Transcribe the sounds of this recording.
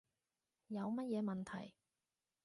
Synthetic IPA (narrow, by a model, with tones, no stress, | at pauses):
jɐ˨˧wmɐ˥t̚jɛː˨˧mɐ˨˩nt̪ʰɐ̰˨˩j